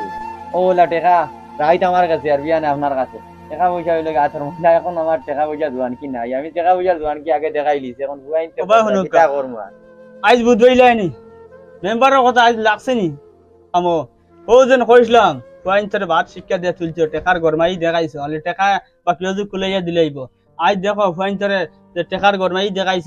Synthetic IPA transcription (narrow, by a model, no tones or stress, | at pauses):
olaʈeka | ɾajt̪amaɾkaseaɾbianapnaɾkasʰe | ʈɛkabojt͡ʃabilɔɡat̪ʰɔɾmɔlaekɔnamaɾʈɛkʰabɔd͡ʒazuankinajamiʈɛkabɔd͡ʒaɾzuankiaɡed̪ɛkʰajlisekʰɔnbuaint̪eɔbaɦunuikːakɔɾmua̰ | ajzbud̪bajlani | membaɾɔɾkɔt̪ʰaajzlaksini | amɔ | howzenkojs̬lamfuajɲt̪ʰɔɾebat̪ʃikːad̪ijat̪ult͡ʃɔʈɛkaɾɡɔɾmaid̪ɛkʰajsɔaleʈɛka | bakilɔzukulajad̪ilajbɔ | ajd̪ɛkʰɔfuajnt̪̬ɔɾe | eʈɛkaɾɡɔɾmaid̪ɛkajs